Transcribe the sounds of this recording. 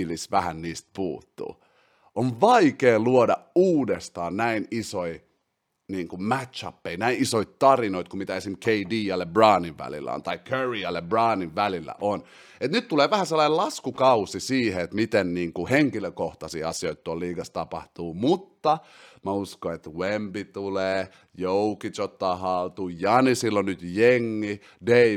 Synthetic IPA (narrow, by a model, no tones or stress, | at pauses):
lisʋæhæ̰nniːst̪̚pṵːt̪ːṵː | ʔoʋʋɑikeːluodɑuːdest̪ɑːnnæinisoi | niːŋkummæt̪t͡ʃɑ̰pːeinæinisoit̪t̪ɑrinoit̪kummit̪æesimkʰeidiːjɑlːebrɑːniʋʋæ̰lḭlːæ̰o̰nt̪ɑikʰøriɑlːebrɑːniʋʋælilːæ̰ʔon | et̪nyt̪t̪uleːʋæhæselːɑnelɑskukɑusisiːheet̪mit̪enniːŋkuheŋkiløkoht̪ɑsḭːɑsioit̪t̪uolliːɡɑst̪ɑpɑ̰ht̪uːmut̪ːɑ | mæuskoet̪wembit̪uleː | joukitot̪ːɑːhɑlt̪uːjɑnisilːonnyt̪jeŋːi | dei